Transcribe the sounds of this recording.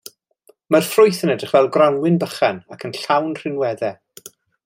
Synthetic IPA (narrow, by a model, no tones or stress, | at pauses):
marfrʊjθənədrɪχvɛlˠɡranwɪnbəχanakʰənɬawnr̥ɪnwɛðɛ